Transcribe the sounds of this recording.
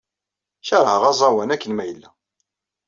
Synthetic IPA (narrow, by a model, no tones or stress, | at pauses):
çɑɾˤhəʁɑzˤɑwænækːənmæjəlːæ